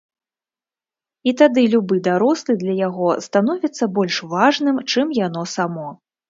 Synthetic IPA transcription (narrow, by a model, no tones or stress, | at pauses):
it̪ad̪ɨlʲubɨd̪aɾɔslˠɨd̪lʲɐjaɣɔst̪anɔvʲit̪sːɐbɔlʲʂvaʐnɨmt͡ʂɨmjanɔsamɔ